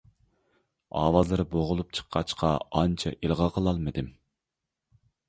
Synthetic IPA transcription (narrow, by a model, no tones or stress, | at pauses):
ɑ̰ːwɑzlˠɨɾboʁʊlˠup̚t͡ʃʰə̥qʰːɑt͡ʃqʰɑɑnt͡ʃʰɑ̰ʔilˠʁɑqʰəlˠɑlˠmɨd̪ɪm